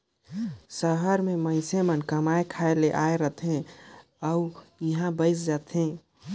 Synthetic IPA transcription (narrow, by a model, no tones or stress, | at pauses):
səɦəɾmeməɪsemənkəmaekʰaeleʔaeɾət̪ʰɦẽ | əujəɦãbəɪsd͡ʒat̪ʰɦẽ